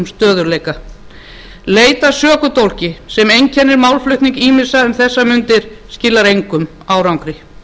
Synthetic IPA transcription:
mst̪œːðʏɾlejka | leːjt̪asœːkʏt̪owl̥cɪsɛmejɲcʰɛnːɪɾmawlflʏht̪niŋkiːmɪ̥saʏmθɛsːamʏnt̪ɪɾ̥scɪlːaɾejŋkʏm | aːwɾawŋkɾɪ

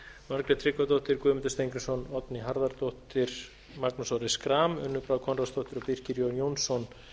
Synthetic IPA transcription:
maɾkɾɛt̪ʰɾɪkːat̪owht̪ɪɾkʏːmɪnt̪ɪst̪ejŋkɾɪnsɔnɔt̪niɦaɾðaɾt̪oht̪ɪɾ̥ | maknusɔɾɪskɾaːmʏnːʏpɾawkʰɔnrast̪owht̪ɪɾɔpir̥cɪɾjownjownsɔn

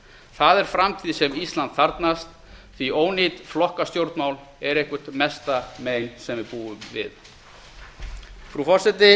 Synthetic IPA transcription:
θaðɛɾ̥fɾamt̪ʰiːðɪsɛmist̪lant̪θaɾt̪nast̪ | θvioːwnit̪flɔhkast̪jowɾt̪nmaːwl | ɛɾehkʏ̥t̪mɛst̪amejnsɛmvɪɾpuːʏmvɪ̰ð | fɾufɔr̥sɛt̪ɪ

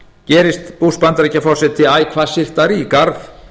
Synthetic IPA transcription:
cɛːɾɪst̪puspant̪aɾɛcːafɔrsɛt̪ʰɪaːjkʰvaːsɪr̥t̪aɾikaɾθ

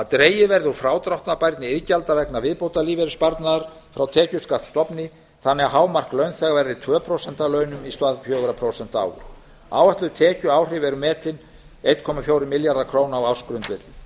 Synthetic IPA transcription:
at̪ɾeːjɪvɛɾðɪɔfɾaːwt̪ɾawht̪napajɾt̪nɪɪðcalt̪avɛknavɪðpowt̪aliːvɛɾɪspaɾt̪naðaɾ̥fɾawt̪ʰɛːcʏskat̪st̪ɔpnɪ | θanːɛɣaɦaːwmar̥klœɥnθɛɣavɛɾðɪt̪ʰvœːpʰɾowsɛn̥t̪alœːɥnʏmist̪vaðfjœːɣʏɾapʰɾowsɛnt̪a̰ːwɣ | a̰ːwaht̪lʏt̪ʰɛːcʏaːwr̥ɪvɛɾʏmɛːt̪ɪn | ejt̪kʰɔmafjowɾɪmɪljaɾðakʰɾoːwnawaw̥skɾʏnt̪vɪt̪lɪ

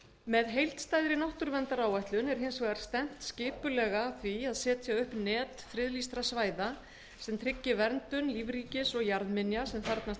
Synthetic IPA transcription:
mɛðɦejlt̪st̪aːjðɾɪnaht̪ʏɾvɛnt̪aɾaːwaht̪lʏnɛɾ̥hɦɪjnsvɛːɣaɾ̥st̪ɛn̥t̪scɪːpʏlɛɣaθviaðsɛːt̪ḁsjaɣʏhpnɛːt̪fɾɪðlist̪ɾasvaːjða | sɛmt̪ʰɾɪcːɪvɛɾnt̪ʏnliːvɾiːcɪsɔɣjaɾðmɪnjasɛmθaɾt̪nas

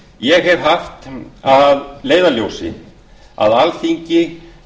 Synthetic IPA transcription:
jɛɣɦɛv̥ɦaft̪aðleːjðaljoːwsɪ̰ | a̰ðalθiɲcɪ

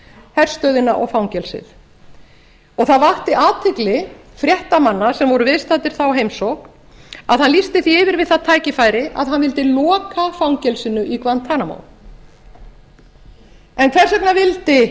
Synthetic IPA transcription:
hɛɾ̥st̪œɥðɪnaʔɔ̰ɣfawŋcɛlsɪ̰θ | ɔɣθaðvaht̪ɪʔaːt̪ʰɪklɪfɾjɛht̪amanːasɛmvɔɾʏvɪðst̪at̪ɪɾ̥θawɦejmsowk | a̰ðhanlist̪ɪθiɪvɪɾvɪðθaðt̪ʰaːjcɪfajɾɪʔa̰ðɦanvɪlt̪ɪlɔːkafawŋcɛlsɪnʏʔikvant̪ʰanamo̰w | ɛnkʰvɛr̥sɛknavɪlt̪ɪ

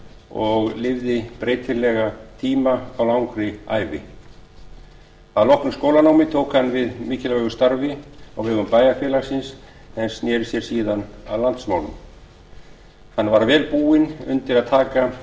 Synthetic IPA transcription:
ɔɣlɪvðɪpɾeːjt̪ʰɪlɛɣat̪ʰiːmaawlawŋkɾɪa̰ːjvɪ̰ | θaðlɔhknʏmskowlanaːwmɪt̪ʰoːwkhanːvɪðmɪːcɪlœɣʏst̪aɾvɪɔɣvɛɣʏmpaːjafjɛːlaɾ̥sɪns | ɛnsnjɛːɾɪsjɛɾ̥siːðana̰ðlant̪smaːwnʏ̰m | hanːvaɾvɛːlpuːɪnʏ̰nt̪ɪɾaðt̪ʰaːka

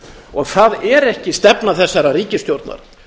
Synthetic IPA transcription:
ɔɣθaðɛɾɛhcɪst̪ɛpnaθɛsːaɾariːcɪst̪jowɾt̪na̰ɾ̥

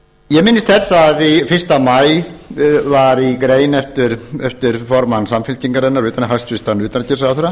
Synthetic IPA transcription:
jɛmɪnːɪst̪θɛsːaːðifɪr̥st̪amaj | vaɾikɾeːjnɛft̪ɪɾ̥ɛft̪ɪɾ̥fɔɾmansamfɪlc̪iŋkaɾɛnːaɾvʏːt̪anɪɦast̪fɪst̪anʏːt̪ancɪsaθɛɾa

